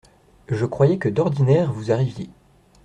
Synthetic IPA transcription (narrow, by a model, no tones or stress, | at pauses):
ʒəkχwajɛkəd̪ɔʁd̪inɛːʁvuzaʁivje